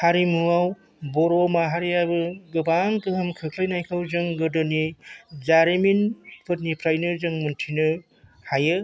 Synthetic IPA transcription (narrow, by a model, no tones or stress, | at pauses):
haɾimuaw | bɔɾomaɦaɾijabɯɡɯbaŋkɯɦɯmkʰɯkʰlajnajkʰawzɯŋɡɯdɯnizaɾiminpʰɯt̚nipʰɾajnɯzɯŋmɯntʰinɯ | hajɯ